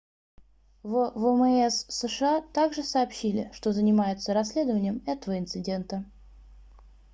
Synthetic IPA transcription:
vəvɛmɛɛsːəʂɨat̪aɡʐɨsɐːpɕːilʲɪ̰ʂt̪o̞zənʲɪmajʊt̪səɾɐsʲlʲe̞d̪əvənʲɪjəmɛt̪əvəɪnt̪sɨdʲe̞nt̪ə

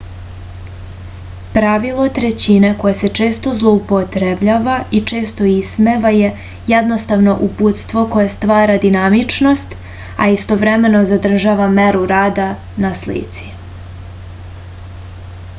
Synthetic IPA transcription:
pɾaʋilˠo̞t̪ɾet͡ɕineko̞jese̞t͡ʃe̞ːst̪o̞zlˠo̞upot̪ɾebʎaːʋait͡ʃe̞ːst̪o̞ismeʋaje̞ | jɛd̪no̞st̪aʋno̞ʔuput̪st̪ʋo̞kojest̪ʋaːɾad̪inamit͡ʃno̞st̪ | a̰ist̪o̞ʋɾeme̞no̞zad̪r̩ʒaʋameɾuɾaːd̪a | naslḭt̪si̥

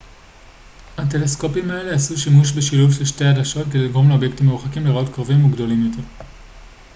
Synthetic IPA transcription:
hate̞lesko̞pimae̞le̞asuʃimuʃ̬be̞ʃiluvʃelʃteadaʃotke̞deliɡʁomleobje̞ktimːeuχakimleʁao̞tkʁavimuɡdo̞limjo̞tʰe̞ʁ

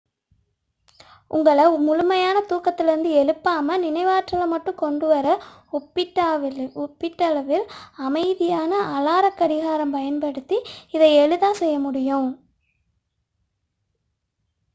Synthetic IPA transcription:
ʔʊ̰ŋɡɐɭɐmʊɻʊmɐjaːnɐt̪uːkɐt̪ːɪlɪɾɯnd̪ɯɛɻɯpːaːmɐnɪnɐɪʋaːʈrɐlɐmɐʈːɯ̃kɔɳɖɯʋɐɾɐ | ʊpːɪʈːaːɪʊpːɪʈːɐlɐʋɪlɐmɐɪðɪjaːnɐʔɐlaːɾɐkːɐɽɪɣaːɾɐmpɐjɐnpɐɽɯt̪ːiɪðɐɪɛɻɯðaːsɛjːɐmʊɽɪjʊ̃

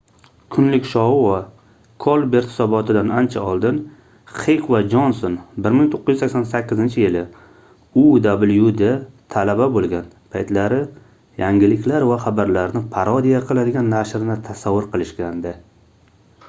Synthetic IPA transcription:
kʰʊnlɪkʲʃɒwa | kʰolˠbe̞ɾt̪hɪ̥sɒbɒt̪ʰɪd̪anant͡ʃʰaɒlˠd̪ɪn | χejqʰvad͡ʒonsonbɪɾmɪŋt̪ʰoqːɨjyzakʲsansakʲːɪzɪnt͡ʃʰɪjɪlɪ | ʊd̪abɪljud̪at̪ʰalababolˠɡʲan | pʰajt̪laɾɪ | jaŋɡʲɪlɪkʲʰlaɾvaχabaɾlaɾnɪpʰaɾɒd̪ijaqʰɨlˠad̪ɪɡʲanːaʃɾɪnɪt̪ʰasavːʊɾqʰɨlˠɪʃkʲand̪ɪ

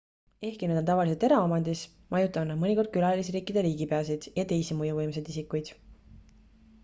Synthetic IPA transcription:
e̞hkined̪ot̪ɑvɑlis̬elt̪e̞ɾɑomɑnd̪is | mɑjut̪ːˑɑvnːɑmɤnʲiko̞rd̪̚kylɑlis̬iɾiːkːˑid̪̥e̞ɾiːɡ̥ipe̞ɑsid̪̥jɑt̪e̞jsimujuvɤjms̬e̞d̪isikːˑujd̪̥

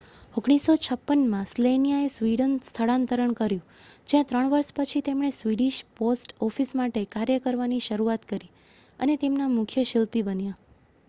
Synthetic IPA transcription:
oɡɽ̃isot͡ʃʰəpːənmãslenijaesʋiɽənst̪ʰəɭãnt̪əɾəɳkəɾjũd͡ʒjãt̪ɾəɳʋəɾʃpət͡ʃʰit̪emɳ̃esʋiɽiʃposʈɔfismaʈekaɾjəkəɾʋaniʃəɾuat̪kəɾi | ə̰net̪emnamʊkʰjəʃɪlpibənja

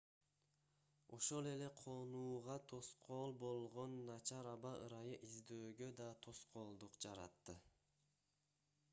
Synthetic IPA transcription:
o̞ʃo̞lˠe̞le̞qʰo̞nuːʁɑt̪ʰo̞sqʰoːlˠbo̞lˠʁo̞nːɑt͡ʃɑɾɑbɑɯ̰ɾɑjɯʔizd̪øːɡø̞d̪ɑt̪ʰo̞sqo̞ːlˠd̪uqd͡ʒɑɾɑ̰t̪ːɯ

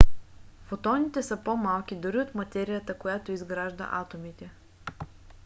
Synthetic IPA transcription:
fot̪ɔnit̪ɛsəpomalˠkʲid̪ʊɾiot̪mɐt̪ɛɾijət̪əkojat̪oizɡɾaʒd̪ə̰ʔat̪omit̪ɛ

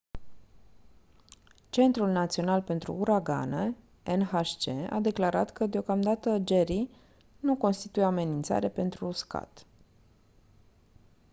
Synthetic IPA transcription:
t͡ʃe̞nt̪ɾulnat̪sio̞nalpe̞nt̪ɾṵuɾaɡa̰nə | enhaʃt͡ʃea̰d̪e̞klaɾat̪kəd̪eo̞kamd̪at̪əd͡ʒe̞ɾi | nuko̞nst̪it̪ujeame̞nint̪sa̰ɾepe̞nt̪ɾuska̰t̪

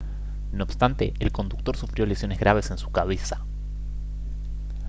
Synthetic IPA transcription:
noːpst̪ant̪eːlko̞nd̪uk̚t̪o̞ɾsufɾjo̞lesjo̞ne̞zɣɾaβ̞e̞se̞nsu̥kaβ̞esḁ

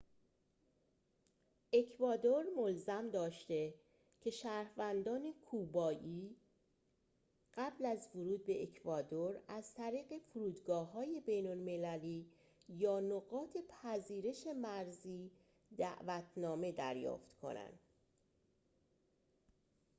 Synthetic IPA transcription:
ʔe̞cʰvɒːd̪oɾmolzæmd̪ɒːʃt̪e̞ | cʰe̞ʃæːɾhvænd̪ɒːne̞kʰuːbɒːʔiː | ɢ̥æblæzvoɾuːd̪̚be̞ʔekʰvɒːd̪oɾæzt̪ʰæɾiːɣe̞fuɾuːd̪ɡɒːɦɒːje̞be̞jnolme̞læliː | jɒːnoɣɒːt̪ʰe̞pʰæziːɾe̞ʃe̞mæɾziː | d̪æ̰ʔvæt̪ʰnɒːme̞d̪æ̰ɾjɒ̰ːft̪kʰo̞̰næ̰nd̪̥

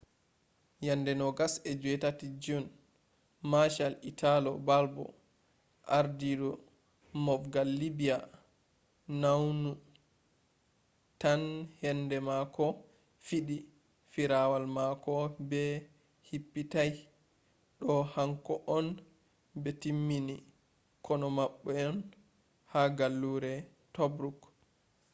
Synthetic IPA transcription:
jandɛnɔɡasɛd͡ʒuɛtatid͡ʒun | maʃalitʰalɔbalbɔ̰ | ʔaɾdidɔ | mɔfɡalːibija | nawnu | tanhɛndɛmakɔ | fiɗi | fiɾawalmakɔbɛ | hipːitaj | ɗɔhaŋkɔʔɔn | bɛtimːini | kʰɔnɔmaɓːɛɔn | haɡalːuɾɛ | tɔbɾuk

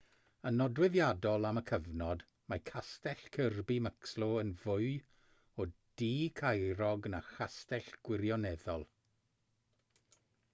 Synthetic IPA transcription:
ənɔdwɪðjadɔlˠaməkʰəvnɔd | makʰastɛɬkʰərbiməkslɔənvʊɨ | ɔd̥iːkʰajɾɔɡnaxastɛɬɡ̥wɪrjɔnɛðɔlˠ

